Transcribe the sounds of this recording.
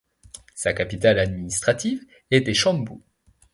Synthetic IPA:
sakapit̪alad̪minist̪χat̪iv | et̪ɛʃɑ̃mbu

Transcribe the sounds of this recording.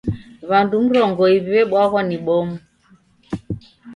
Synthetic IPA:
βandum̩ɾɔŋɡɔiβiβɛɓwaɣɔniɓɔmu

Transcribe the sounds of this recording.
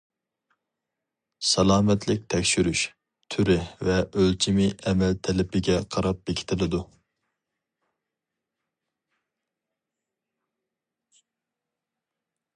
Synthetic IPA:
sɛlˠɑːmɛt̪lɪk̚ʲt̪ʰɛkʲʃyɾyʃ | t̪ʰyɾɪvɛʔølt͡ʃʰimɪʔɛmɛlt̪ʰɛlɪpɪɡʲɛqʰɑɾɑp̚bekʲʰi̥t̪ʰɪlɪd̪u

